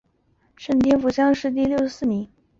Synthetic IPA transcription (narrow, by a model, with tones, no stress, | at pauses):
ʂə˥˩nt̪̬jɛ˥nfu˧˥˩ɕjɑ˥ŋʂɻ̩˥˧t̪̬i˥˧ljo˥˧ʊsɹ̩˥˩ni˧˥n